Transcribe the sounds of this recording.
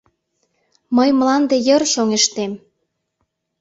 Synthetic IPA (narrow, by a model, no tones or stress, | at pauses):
məjmlɑnd̪ejərʃoŋeʃt̪em